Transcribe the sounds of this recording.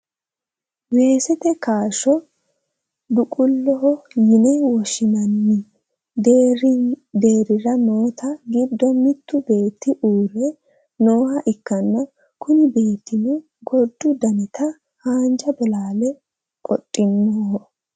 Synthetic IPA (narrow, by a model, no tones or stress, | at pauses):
we̞ːsɛt̪ɛkaːʃɔ | d̪ʊkʼʊlːɔɦɔjɪnɛwɔʃɪnɐnːɪ | d̪e̞ːɾɪɾɐmoːt̪ɐɡɪbd̪ɔmɪt̪ːʊbe̞ːt̪ːɪʔuːrɛ | noːhɐʔɪkːɐnːɐ | kʊnɪbe̞ːt̪ːɪnɛ | ɡɔd̪ːʊd̪ɐnɛt̪ʰɐ | haːnd͡ʒɐbɔlaːlɛ | kʼɔ̰tʼːɪmːoɔ